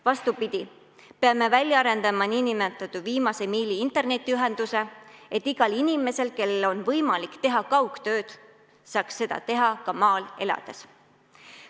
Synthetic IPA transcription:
vɑst̪upid̪̥ʲi | pe̞ɑme̞vælʲjɑɑɾe̞nd̪̥ɑmɑninimet̪ːˑɑt̪uviːmɑse̞miːliint̪ˑe̞rne̞t̪ːˑiyɦe̞nd̪̥use̞et̪ːˑiɡ̥ɑlinime̞se̞lke̞lelo̞nvɤjmɑlikt̪e̞ɦɑkɑwkt̪ø̞ːd̪̥ | sɑːksːe̞d̪̥ɑ̰t̪e̞ɦɑkɑmɑːle̞lɑ̰d̪̥e̞s

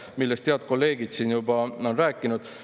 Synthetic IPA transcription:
milːest̪eɑt̪̚ko̞lːe̞ːɡ̥id̪̥siːnjubɑo̞nræːkːˑinud̪̥

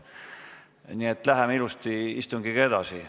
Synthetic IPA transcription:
niet̪ːˑlæɦemilust̪iist̪uŋɡ̥ikɡɑed̪̥ɑsi

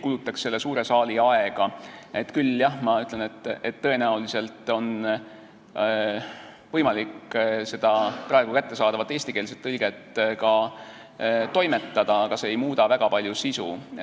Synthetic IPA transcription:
kulut̪ːˑɑksːe̞lːe̞suːɾe̞sɑːliɑeɡ̥ɑet̪ːkylːjɑhmɑyt̪ˑle̞net̪ːˑet̪ːɤ̞e̞næulise̞lt̪ˑo̞n | vɤjmɑlikse̞d̪̥ɑprɑe̞ɡ̥ukæt̪ːe̞sɑːd̪ɑvɑt̪ːˑeːsʲt̪ike̞ːls̬et̪ːɤlɡ̥et̪ːˑkɑ | t̪o̞jme̞t̪ːɑd̪̥ɑkɑseːjmuːd̪̥ɑvæɡ̥ɑpɑlʲjusisṵ

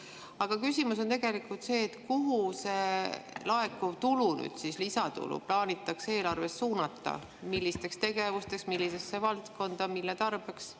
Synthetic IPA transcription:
ɑɡ̥ɑkysimuso̞nt̪eɡ̥e̞likult̪se̞ːt̪kuɦuse̞lɑe̞kːut̪uluny̰d̪̥sislisɑt̪ṵlṵplɑːnʲit̪ːˑɑkse̞ːlɑrve̞sːuːnɑt̪ːˑɑ̰ | milːist̪e̞kst̪e̞ɡe̞vust̪e̞ksmilːisesːevɑlt̪ko̞nd̪̥ɑmilːet̪ɑrb̥eks

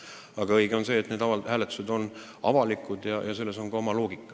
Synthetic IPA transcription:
ɑɡɑɤjɡ̥eo̞nse̞ːt̪ne̞ːd̪ɑɑhæːlet̪ːˑu̥se̞d̪̥o̞n | ɑ̰vɑlikːˑud̪jɑjɑse̞lːe̞so̞ŋɡɑo̞mɑlo̞ːɡikːˑɑ̥

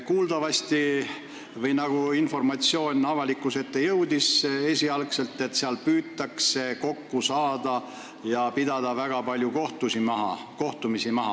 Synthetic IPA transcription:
kuːld̪̥ɑvɑsʲt̪i | vɤjnɑɡ̥uinfo̞rmɑt̪sio̞ːnʲɑvɑlikːˑuse̞t̪ːe̞jɤwd̪ise̞sʲiɑlkse̞lt̪ːˑe̞t̪ːseɑlpyːt̪ːˑɑkse̞ko̞kːusɑːd̪ɑ | jɑpid̪̥ɑd̪̥ɑvæɡ̥ɑpɑlʲjuko̞ht̪usimɑɦɑ̰ko̞ht̪umisimɑɦɑ

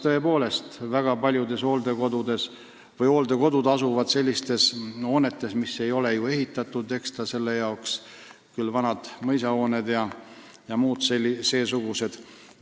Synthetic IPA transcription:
t̪ɤ̞e̞po̞ːle̞st̪væɡ̥ɑpɑlʲjud̪e̞so̞ːld̪e̞ko̞d̪ud̪e̞s | vɤjo̞ːld̪e̞ko̞d̪̥ud̪̥ɑsuvɑd̪̥se̞lʲːist̪e̞so̞ːne̞t̪ːˑe̞smisːe̞jo̞le̞jue̞ɦit̪ːˑɑt̪ːˑud̪̥e̞kst̪ɑse̞lːe̞jɑoks | kylːvɑnɑd̪̥mɤjsɑo̞ːne̞d̪jɑjɑmuːd̪̥selːise̞ːsuɡ̥use̞d̪̥

